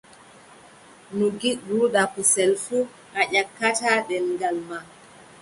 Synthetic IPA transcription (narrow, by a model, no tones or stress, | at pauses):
nuɡiɗːuɗapusɛlfu | ʔaʄakːataɗɛlŋɡalma